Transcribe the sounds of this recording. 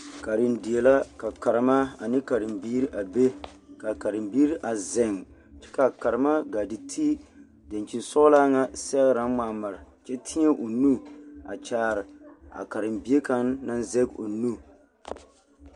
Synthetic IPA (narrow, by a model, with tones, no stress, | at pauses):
ka˨ɾɪ˨ndi˨e˨la˦ka˨ka˨ɾɨ˨˦ma˦a˨nɪ˦ka˨ɾɪ˨mbiː˦ɾi˦ʔa˨be˦ | ka˨ka˨ɾɪ˨mbiː˦ɾi˦ʔa˨zɛ˨ŋ | t͡ʃɛ̥˦ka˨ka˨ɾɨ˨ma˦ɡa˨dɪ˨tʰi˦ | da˨nt͡ʃi˨nsɔ˦laː˦ŋa˦sɛ˦ɣɾa˦maː˨ma˨ɾɪ˨t͡ʃɛ˦tʰi˦ɲɛ˦ʔo˨nu˦a̰˨t͡ʃaː˦ɾɪ˨a̰˨ka˨ɾɨ˨mbi˦e˦ka˦nːa˦nzɛ˦ɡo̰˨nu˦